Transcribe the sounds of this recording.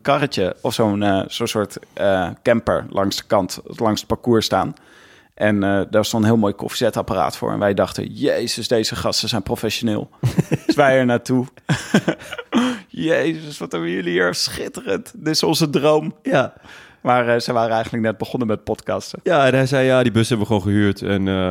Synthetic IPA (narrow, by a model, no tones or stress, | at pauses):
əkɑrəcəɔfsownsoːnsʊːɹtəkɛmpə̰ɹlʔɑŋsd̥ə̥kɑntlɑŋsət̚pakuːɹsta̰ːn | ʔɛnədaːɹstɔntənɦɪːlˠmoːwjkɔ̰fi̥zɛtapara̰ːtfʊ̰ːɹɛ̰nʋɛjdɑχtə̰jejzəsdejzəχɑstəzɛjnprofɛʃonɪːlˠtʋɛjɛɹnaːtu | jejzəsʋɑtɛbəjəliiɹsχɪtərəntdɪsɔnzədrowm | maːɹəzəjʋaːɾəɛjχən̩dlək̚nɛd̚bəχɔnəmɛt̚pɔtkɑstəjaːɛnɛjzɛjjaːdibøsɦɛbənʋəχʋownχəɦyːɹtɛn